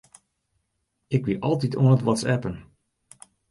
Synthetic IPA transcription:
ɪkʋiʔɑlˠtito̰nətʋɔtsɛpən

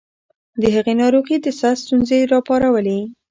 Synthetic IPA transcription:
d̪əɦaɣenɑɾuɣid̪əsast̪unzeɾɑpɑɾawəle

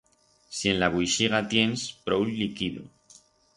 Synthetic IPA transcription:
sie̞nlaβujʃiɣat̪je̞nspɾowllːikiðo̰

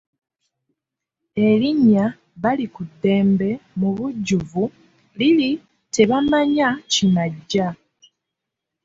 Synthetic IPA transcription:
e̞liɲːa | βalikudːe̞ːmbe̞muβuɟːuvu | lili | te̞βamaɲacimaɟːa

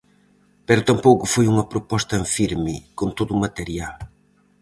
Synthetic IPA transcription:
pɛɾʊt̪ɐmpowkʊfojuŋɐpɾopɔst̪ɐẽɱfiɾmɪkõnt̪oðʊmat̪eɾjal

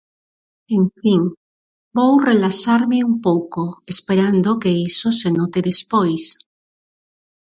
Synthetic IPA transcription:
eɱfiŋ | bowrelasaɾmeumpowkoespeɾand̪okeisosenot̪eðespojs

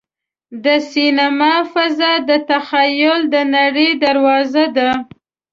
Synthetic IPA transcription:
d̪əsinamɑfazɑd̪ət̪axajʊld̪ənaɽəjd̪aɾwɑzad̪a

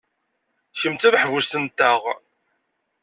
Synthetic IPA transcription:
çəmt͡s̪æðħvʊst̪ənt̪ːəʁ

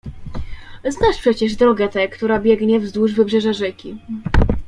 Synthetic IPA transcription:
znaʂpʂɛt͡ɕɛʐd̪ɾɔɡɛt̪ɛkt̪uɾabʲjɛɡɲɛvzd̪wuʐvɘbʐɛʐaʐɛkʲi

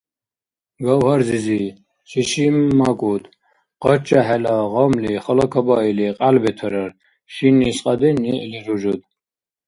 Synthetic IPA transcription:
ɡɔwhɔɾzizi | ʃʰiʃimːakʼud̪ | qɔt͡ʃaɦɛlaʁɔmliχɔlɔkʰɔbailiqʼalbɛt̪ʰɔɾɔɾ | ʃinisqʼad̪iniʔliɾuʒud̪

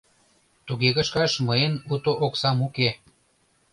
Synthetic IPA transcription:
t̪uɣeɣə̆ʃkɑʃməenut̪oʔoksɑmuke

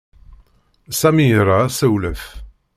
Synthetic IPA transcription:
sæmiɾˤasəwlæf

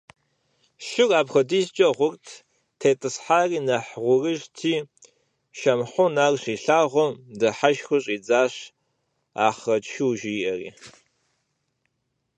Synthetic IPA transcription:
ʃɪraːpxɐdizt͡ʃʼɐʁʷʊrtʰ | tʰeːtʼɨsħaːriːnɐħʁʷʊrɨʒtʰiː | ʃɐmħʷʊnaːrɕiːɬaːʁʷɔmdɐħaʃxʊɕʼiːd͡zaːɕ | a̰ːχɐt͡ʃʃɪwʒiːʔɐrḭː

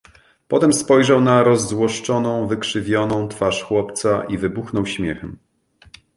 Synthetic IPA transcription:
pɔt̪ɛmspɔjʐawnaɾɔzːwɔʂt͡ʂɔnɔ̃w̃vɘkʂɘvʲjɔnɔ̃w̃t̪faʂxwɔpt̪saʔivɘbuxnɔwɕmʲjɛxɛm

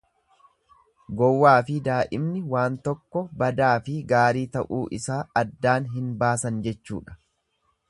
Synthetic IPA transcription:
ɡɔwːaːfɪd̪aːʔɪmnɪwaːnt̪ɔkːɔbɐd̪aːfɪɡaːɾiːt̪ɐʔuːʔɪsaːɐd̪ːaːnɦɪnbaːsɐnd͡ʒɛt͡ʃːṵːᶑɐ̥

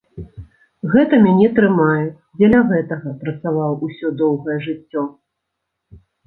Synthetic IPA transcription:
ɣɛt̪ɐmʲanʲɛt̪ɾɨmajɛ | d͡zʲɛlʲɐɣɛt̪ɐɣɐpɾɐt̪savawusʲɔd̪ɔwɣɐjɛʐɨt͡sʲːɔ

